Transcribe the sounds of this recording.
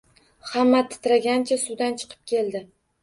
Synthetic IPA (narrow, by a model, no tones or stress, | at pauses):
hamːat̪ʰːɪ̥t̪ɾaɡʲant͡ʃʰasʊd̪ant͡ʃʰɨ̥qʰɨ̥p̚kʲʰe̞ld̪ɪ